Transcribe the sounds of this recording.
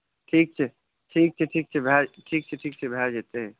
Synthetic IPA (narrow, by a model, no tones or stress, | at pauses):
ʈʰiːk̚t͡ʃʰɛ | ʈʰiːk̚t͡ʃʰɛʈʰiːk̚t͡ʃʰɛbʱɛʈʰiːk̚t͡ʃʰɛʈʰiːk̚t͡ʃʰɛbʱɛd͡ʒet̪eɦɛ̃